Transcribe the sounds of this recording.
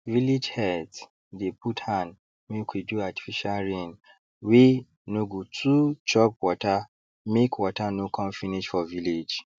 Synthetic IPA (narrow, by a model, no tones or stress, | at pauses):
vilid͡ʒhɛt | depʰuthãn | mĩkʰʷiduati̥fiʃalɹẽn | we | nũɡutʰut͡ʃɔp̚wɔta | mekwɔtanõkʰɔ̃mfĩniʃfɔviled͡ʒ